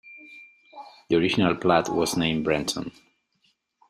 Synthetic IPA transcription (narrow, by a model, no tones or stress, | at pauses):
ðiɔɹɪd͡ʒɪnalˠpʰlatwɔznẽɪ̃mbɹɛ̃ntʰə̰̃n